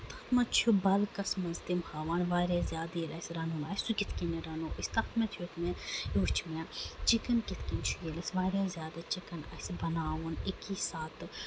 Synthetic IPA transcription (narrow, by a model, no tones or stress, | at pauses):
t̪ʰɐt̪mɐt͡ʃʰubɐlkɐsmɐzd̪imhaʋaːnʋaːɾezʲjaːd̪ilɐsɾɐnuːnaːjsukɪt̪ʰkiniɾɐnuːʔɐsʲt̪ɐxt̪mɐt̪ʰjot̪ʰmejoːt͡ʃʰmet͡ʃikɐnkit̪ʰkint͡ʃʰujilɐsʋaːɾʲaːzʲjaːd̪ɐt͡ʃikɐnɐ̰sbɐnaːwunikiːsaːt̪